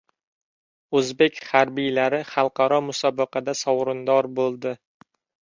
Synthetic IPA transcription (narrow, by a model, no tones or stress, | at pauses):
ɵzbekʲχaɾbijlaɾɪχɑlˠqɑɾɒmʊsɒbɨqɑd̪asɒwɾɪnd̪ɒɾbolˠd̪ɪ